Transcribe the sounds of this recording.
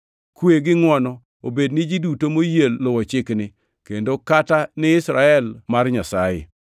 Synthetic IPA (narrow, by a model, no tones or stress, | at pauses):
kweɡɪŋwɔnɔ | obednɪd͡ʒidutomojelːʊwɔt͡ʃɪknɪ | kendokatanɪɪsɾaɛlmarɲasajḛ